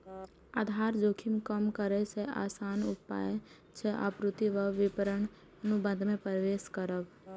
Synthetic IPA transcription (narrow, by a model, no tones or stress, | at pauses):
aːd̪ʱaːɾd͡ʒoːkʰɪmkəmkəɾeseʔa̰ːsaːnʊpːa̰ːe | t͡ʃʰɛʔɐ̰pɾʊt̪iʋəʋʋɪpəɾəɳ | ənubə̃nd̪ʱmẽpɾʋeːʃkəɾəb